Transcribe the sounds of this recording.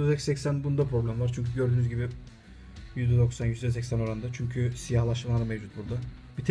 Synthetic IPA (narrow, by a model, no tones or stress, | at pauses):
zɛcsɛcsænbund̪apʰɾo̞blʲæmvaɾt͡ʃʰyɲcʰyɟø̞ɾd̪yːnyzɟibi | jyzd̪ɛd̪o̞ksanjyzd̪ɛs̬ɛcʲsæno̞ɾand̪at͡ʃʰyɲcʰysijahlˠaʃmalˠaɾamevd͡ʒut̪̚buɾd̪a | bit̪ʰ